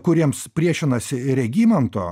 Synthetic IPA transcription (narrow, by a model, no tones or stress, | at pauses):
kʊɾʲiɛmspʲɾʲiɛʃʲɪnɐsʲɪɾʲɛɡʲiːmʲɛnt̪o̰ː